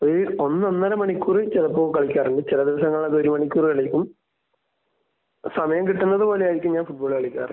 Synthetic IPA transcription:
oɾuo̞nːonːɐɾɐmɐɳikʲːuːrit͡ɕeðɐpːoːkɐɭikʲːaːreɳɖɨt͡ɕilɐd̪iʋɐsɐŋːɐɭðeoɾumɐɳikʲːuːrikɐɭikʲːum | sɐmɐjɐmkiʈːunːɐðɨpo̞ːlejaːjɾikʲːumɲaːnfuʈ̚boːɭkɐɭikʲːa̰ːrɐ̰

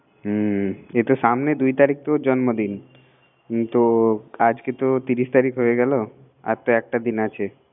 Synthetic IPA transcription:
ɦet̪osamned̪ujt̪aɾik̚t̪od͡ʑɔnmod̪in | t̪oad͡ʑket̪ot̪iɾist̪aɾikɦoeɡɛlo | a̰ɾt̪oɛk̚ʈad̪inat͡ɕʰe

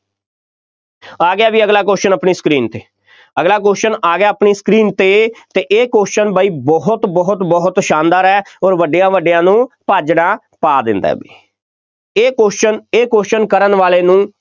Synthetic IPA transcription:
aːɡɪjaːbiːəɡlaːk̬oːʃənəpɳiːskɾiːnt̪eː | əɡlaːkoːʃənaːɡjaːəpɳiːskɾiːnt̪eːt̪eːʔeːkoːʃənbaːiːbɔɦʊt̪bɔɦʊt̪bɔɦʊt̪ʃãːnd̪aːɾɛːoːɾʋəɖɪjãːʋəɖɪjãːnũːpaːd͡ʒnãː | paːd̪ɪ̰nd̪a̰ːbiː | koːʃəneːkoːʃənkəɾənʋaːleːnũː

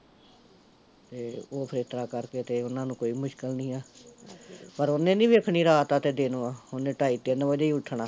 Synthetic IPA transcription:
t̪eːoːpʰəɾeːt̪ɾaːkəɾkeːt̪eːʊnãːnũːkoːiːmʊʃkəlnĩːaː | pəɾonːẽːnĩːʋeəkʰniːɾaːt̪aːt̪eːd̪eːnoːaːʊnːẽːʈaːiːt̪eːnabəd͡ʒaːiːʊʈʰːɳaː

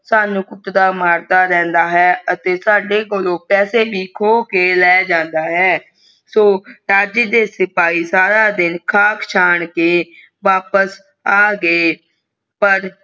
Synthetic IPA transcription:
saːnũːkʊʈːd̪aːmaːɾt̪aːɾɛ̃ːnd̪aːɦɛːət̪eːsaːɖeːkolõːpɛːseːʋiːkʰoːkeːlɛːd͡ʒãːnd̪aːɦɛː | soːɾaːd͡ʒɪd̪eːsɪpaːiːsaːɾaːd̪ɪnkʰaːkʰt͡ʃʰaːɳkeː | ʋaːpəs | aːɡəeː | pəɾ

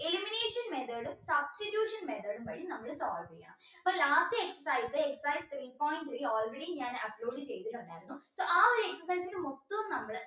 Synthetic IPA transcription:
elimineːʂɐnmet̪ʰɐɽumsɐbstitjuːʂɐnmet̪ʰɐːɽumʋɐɻinɐmːɐɭesoːlʋikʲːɐɳɐ̰m | ɐpːɐlaːstɨeksɐsajsɨeksɐsajst̪riːpoːjnʈioːlreɽiɲaːnɐploːɖɨt͡ɕe̞jt̪iʈːɐɳːaːjɾunːusoːʔaːoɾeeksɐrs̬ɐjsiɾɨmot̪ːɐʋɐmnɐmːɐɭ

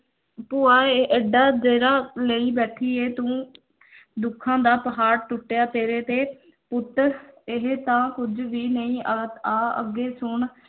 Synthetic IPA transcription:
pʊaːeʔeɖaːd͡ʒeːɾaːləiːbɛːʈʰiːeːt̪ũː | d̪ʊkʰːãːd̪aːpəɦaːɾʈʊʈːejaːt̪eːɾeːt̪eː | pʊt̪əɾɪɦt̪ãːkʊd͡ʒʋiːnəĩːət̪aːə̰ɡːeːsʊɳ

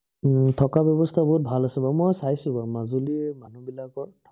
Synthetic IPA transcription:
tʰɔkabjɔbɔstʰabɔɦut̚bʱalasɛbamɔjsajsʊ̃bamazulimanubilakɔ

